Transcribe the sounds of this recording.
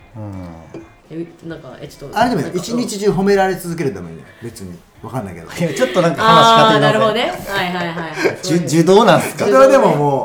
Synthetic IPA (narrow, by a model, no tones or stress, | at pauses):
ɯ̃ː | enãŋkaeo̥t̪ːaɾed̪emioit͡ɕiɲ̟it͡ɕiʑɨːɦo̞me̞ɾaɾe̞t͡sɨzɨk̬e̞ɾɯd̪ama̰ḭ̃no̰be̞t͡sɨɲ̟ḭ | βakãnːa̰jke̞d̪ot͡ɕo̞t̪ːo̞nãŋkahanaɕikaeaɾɯhod̪onehaiɦaiɦaid͡ʑɨd̪o̞ːnãnd̪eskasoɾe̞βad̪e̞mo̞moː